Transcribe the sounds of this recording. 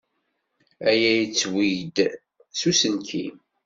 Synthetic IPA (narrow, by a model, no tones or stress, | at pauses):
æjæjit͡sːwijd̪ | susənkḭm